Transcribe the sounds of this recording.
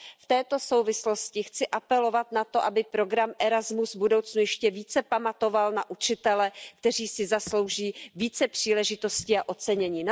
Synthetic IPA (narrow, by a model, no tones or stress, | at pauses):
ft̪ɛːt̪o̞sowvɪsloscɪxt͡sɪʔapɛlo̞vat̪nat̪o̞ʔabɪpɾo̞ɡɾamʔɛɾazmusvbudowt͡snujɛʃcɛviːt͡sɛpamat̪o̞valnaʔut͡ʃɪt̪ɛlɛkt̪ɛriːsɪzaslo̞wʒiːviːt͡sɛpr̥iːlɛʒɪt̪o̞scɪaʔo̞t͡sɛɲɛɲiːn